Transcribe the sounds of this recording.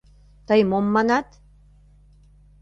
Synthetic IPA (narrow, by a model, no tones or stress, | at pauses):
t̪əjmomːɑnɑt̪